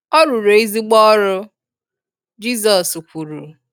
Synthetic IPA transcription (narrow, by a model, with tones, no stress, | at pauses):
ɔ˦ɾu˨ɾo˨i˦zi˦ɡ͡bɔ˦ɾʊ˦ | d͡ʒi˦zɔ˨su˨kʷu˨ɾu˨